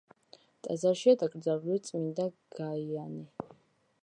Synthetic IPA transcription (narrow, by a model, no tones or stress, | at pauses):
t̪ʼazaɾʃiad̪akʼɾdzalulit̪sʼmind̪aɡ̥aiani